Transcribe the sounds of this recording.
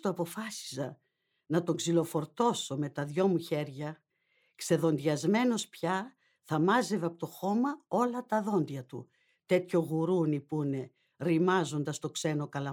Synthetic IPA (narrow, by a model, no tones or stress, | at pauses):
t̪oɐpo̞fɐsi̥sɐ | nɐt̪o̞ŋɡzilo̞fo̞ɾt̪o̞so̞me̞t̪ɐðʝo̞muçe̞ɾʝɐ | kse̞ðo̞nd̪iɐzme̞no̞spçɐ | θɐmɐze̞vɐpot̪o̞xo̞mɐo̞lɐt̪ɐðo̞nd̪ʝɐt̪ṵ | t̪e̞t̪ço̞ɣuɾunipune̞ | ɾimɐzo̞nd̪ɐst̪o̞kse̞no̞kɐlɐ